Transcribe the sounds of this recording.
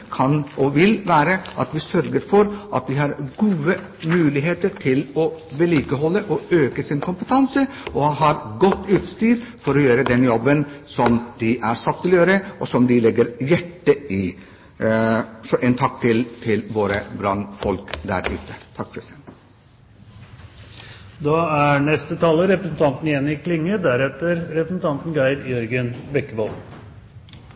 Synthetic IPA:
kʰɑnʔɔʋɪlʋæːɾəʔɑt̪ʋɪsœɾɡəɾfɔɾʔɑ̰t̪̚d̪ɪhɑɾɡuːə | mʉːlɪɦeːt̪əɾʈʰɪlɔbɛliːkəɦɔlːəʔɔøːkəsɪnkʰʊmpət̪ʰɑnsəɔɦɑɾɡɔt̪ːʉːt̪st̪yːɾfɔɾɔjøːɾəd̪ɛnjɔbːənsɔmd̪ɪʔæɾsɑt̪ːɪlɔjøːɾəʔɔsɔmd̪ɪlɛɡːəɾjæʈːəɪ | sɔʔɛːnt̪ʰɑk̚ːt̪ʰɪlt̪ʰɪlʋoːɾəbɾɑnːfɔlkd̪æ̰ɾʉ̰ːt̪ət̪ʰɑkːkʰɾɛsɛn | d̪ɑːæɳɛst̪ət̪ʰɑːləɾɛpɾəsn̩t̪ʰɑnt̪nɪjɛnːɪkʰlɪŋːəd̪æɾɛt̪əɾɾɛpɾəsn̩t̪ʰɑnt̪n̩ɡæɪɾjœɾɡənbɛkːəbɔl

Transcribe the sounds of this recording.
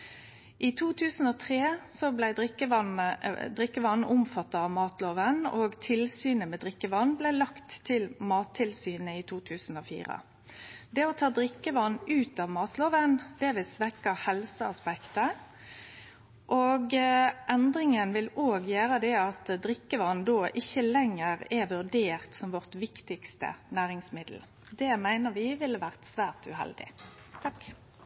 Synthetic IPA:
ʔit̪ʰuːt̪ʰʉːsn̩oːt̪ʰʁeːsɔblæɪd̪ɪkəɑnəd̪ʁɪkːəʋɑnːʊmfɑt̪ːɑɑʋmɑːt̪loːʋənɔːɡt̪ʰɪlsyːnəmɛd̪ʁɪkːəʋɑnːblɛlɑkt̪ʰːɪlmɑːt̪ʰːɪlsyːnəit̪ʰuːt̪ʰʉːsn̩oːfḭːʁə̰ | d̪ɛɔt̪ʰɑːd̪ʁɪkːəʋɑnʉːt̪ɑːʋmɑːt̪loːʋənd̪̥ɛʋɪlsʋɛkːɑhɛlsəɑspɛkt̪ə | ʔoːɡʔɛnd̪ɾɪŋənʋɪloːɡjøːʁəd̪ɛɑt̪d̪ʁɪkːəʋɑnd̪oːʔɪçːəlɛŋːəʁɛʋʉʁd̪eːʁt̪sɔmʋɔʁt̪ʋɪkt̪ɪkst̪ə̰næːʁɪŋsmɪd̪l̩ | d̪ɛmæɪnəʁʋɪʋɪləʋæʁt̪sʋæːʁt̪ʉ̰ɦɛ̰ld̪ɪ̰ | t̪ʰɑk

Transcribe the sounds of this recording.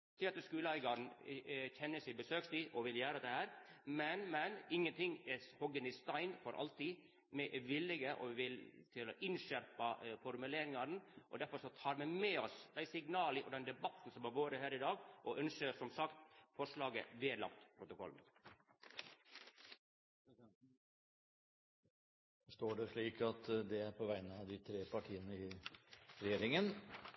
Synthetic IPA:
t̪ʰɪɑt̪əskʉːlæɪɡɑɾn̩çɛnːəsɪbəsøːksɪʔɔʋɪljæːɾɑd̪ɛhæːɾmɛnmɛnɪŋːənt̪ʰɪŋːɛhɔɡənɪst̪ɑɪnfɔɾʔɑ̰lt̪i | mɛʔʋɪlːɪɡəʔɔ̰ʋɪʋɪlt̪ʰɪlɔʔɪnʃæɾpɑfɔɾmʉleːɾɪŋɑɾn̩ʔɔ̰d̪æɾfɔɾʂɔt̪ʰɑːɾmɛmɛɔsd̪æɪsɪŋnɑːləʔɔd̪ɛnd̪ɛbɑt̪ːn̩sɔmæɾʋoːɾəhæːɾɪd̪ɑːɡʔɔʔœnʃəsɔmsɑkt̪fɔʂɭɑːɡə̰ʋeːd̪lɑ̰kt̪pʰɾʊt̪ʊkʰɔ̰l | st̪oːɖɛʂɭiːkɑt̪d̪ɛæɾpʰɔʋæɪnəɑd̪ɪt̪ʰɾeːpʰɑʈʰiːənəɪ | ɾɛjeːɾɪŋən

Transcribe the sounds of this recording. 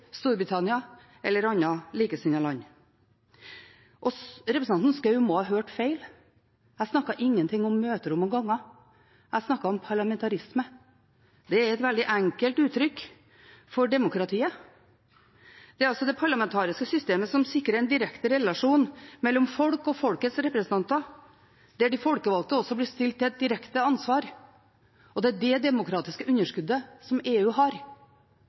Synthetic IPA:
st̪uːɾbɾɪt̪ʰɑnɪɑ | ɛlːəɾɑnːɑliːkəsɪnɑlɑɲː | ʔɔɾɛpɾsɑnn̩skɑʉmoːhɑːɦøːʈfeɪl | æɪsnɑkːɑʔɪŋːənt̪ʰɪŋːɔmːøːt̪əɾʊmːɔɡɑŋːɑ | æɪsnɑkːɑɔmpʰɑɭɑmɛnt̪ʰɑɾɪsmə | d̪ɛɛɾɛt̪ʋɛld̪ɪʔæŋkəlt̪ʉːt̪ʰɾʏk | fɔɖɛmʊkɾɑt̪ʰiːə | d̪̥ɛæɾɑlsɔd̪ɛpʰɑɾɭɑmɛnt̪ʰɑːɾɪskəsʏst̪eːməsɔmsɪkːɾəɾɛɪnd̪ɪɾɛkt̪əɾɛlɑʂuːnmɛlːɔmfɔlkɔfɔlkət̪sɾɛpɾəsənt̪ɑnt̪ɑ | d̪̥ɛæɖɪfɔlkəʋɑlt̪əɔsːɔblɪst̪ɪlt̪ːɪlɛt̪̚d̪ɪɾɛkt̪əɑnsʋɑːɾ | ɔd̪ɛæɖɛd̪ɛmʊkɾɑːt̪ɪskəʔʉnːəʂkʉd̪ːəsɔmeːʉːɦɑɾ

